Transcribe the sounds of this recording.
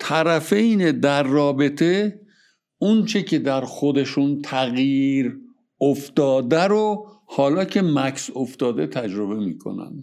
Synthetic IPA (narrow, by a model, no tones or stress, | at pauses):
t̪ʰæɾæfe̞jned̪æɾːɒːbe̞t̪ʰe | unt͡ʃʰe̞cʰe̞d̪æɾxod̪e̞ʃunt̪ʰæɣjiɾ | oft̪ɒːd̪æɾohɒːlɒːcʰe̞mæksoft̪ɒːd̪et̪ʰæd͡ʒɾo̞βe̞mḭːkʰo̞̰næ̰nd̪